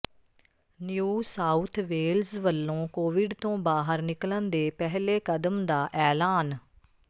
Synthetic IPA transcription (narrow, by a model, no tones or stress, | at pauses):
njuːsaːut̪ʰʋeːlzʋəlːõːkoːʋɪɖt̪õːbaːɦəɾnɪklənd̪eːpɛɦleːkəd̪əmd̪aːʔɛːlaːn